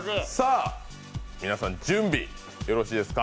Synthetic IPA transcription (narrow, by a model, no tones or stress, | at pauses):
saː | mʲinasãɲd͡ʑɨ̃mbʲi | jo̞ɾo̞ɕiːd̪e̞sɨ̥ka